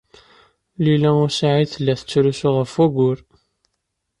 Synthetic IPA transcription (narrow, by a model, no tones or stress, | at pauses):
lilæʊɾsaʕiθəlːæθə̥t͡sːɾusuʁəfæɡʷʊɾ